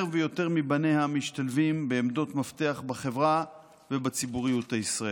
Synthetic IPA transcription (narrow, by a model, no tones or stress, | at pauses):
ʁvejo̞te̞ʁmibane̞jhamiʃtalvimbeːmdo̞tmafte̞aχbaχe̞vʁa | ve̞bat͡sibuʁijutaisʁae